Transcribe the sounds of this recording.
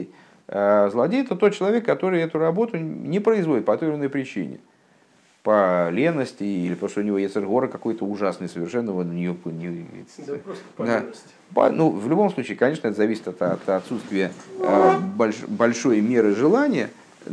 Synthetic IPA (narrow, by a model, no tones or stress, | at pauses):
azlˠɐdʲejɛt̪ət̪o̞t̪̚t͡ɕːɪlˠɐvʲekːɐt̪o̞ɾɨjɛt̪ʊrɐbo̞t̪ʊnʲɪpɾəɪzvodɪt̪pɐt̪ovʲɾʲɪnːəjpɾʲɪt͡ɕḭnʲɪ̰ | pəlʲenːəsʲtʲɪilʲɪpt̪oʂt̪ʊnʲɪvo̞jesʲt̪ʲɛrɣo̞ɾɨkɐko̞jt̪əʊʐasnɨjsəvʲɪrʂɛnːəvonnʲɪjokkoj̪nʲɪɪmʲḛjt̪sd̪a | bɐ̰nuvlʲʊbo̞mslˠut͡ɕiːkɐnʲe̞ʂnəɛt̪əzɐvʲisʲɪ̥t̪ɐt̪ɐt̪ɐt̪sut̪st̪vʲɪjə | bɐlʲbɐlʲʂo̞jmʲe̞ɾɨʐɨlˠanʲɪjə